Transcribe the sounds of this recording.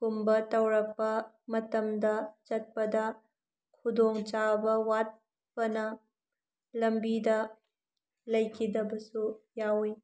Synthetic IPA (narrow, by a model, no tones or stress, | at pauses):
kumbɐtɐwɾɐk̚pɐ | mɐtɐmdɐt͡ʃɐt̚pɐdɐ | kʰudoŋt͡ʃabɐwat̚ | pɐnɐ | lɐmbidɐ | lɐjkʰidɐbɐsujawi